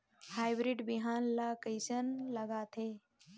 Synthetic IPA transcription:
haːjbɾɪɖbiɦaːnlakəjsənlɐɡaːt̪ʰeː

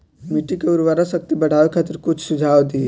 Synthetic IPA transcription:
miʈikeuɾʋaɾasɐk̚t̪ibɐɽ̤ʱaːʋekʰaːt̪əɾkʊt͡ʃʰsʊd͡ʒʱaːwd̪i

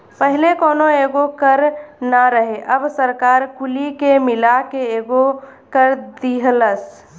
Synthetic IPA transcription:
pəɦlekoːnoeːɡokəɾnaɾəɦeʔəbsəɾkaːɾkʊlikemɪlakeeːɡo | kəɾd̪iɦləs

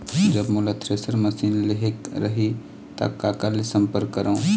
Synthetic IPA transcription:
d͡ʒɐbmʊlat̪ʰɾesəɾmɐsiːnleɦekɾɐɦi | t̪a̰ːkːaːkalesɐ̃mpəɾkːəɾaũ

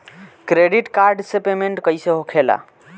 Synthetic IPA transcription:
kɾeɖiʈkaɾɖsepemeɳʈkəjseɦokʰela̰

